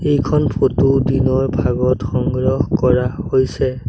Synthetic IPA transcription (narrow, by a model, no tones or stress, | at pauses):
ejkʰɔnpʰotudinɔɹbʱaɡɔtxɔŋɡɹɔhkɔɹahojsɛ